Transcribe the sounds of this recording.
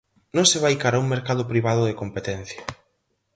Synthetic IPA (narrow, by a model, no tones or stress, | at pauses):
nõŋseβ̞ajkaɾauŋmeɾkaðʊpɾiβ̞að̞ʊðekompet̪ɛn̟θjɐ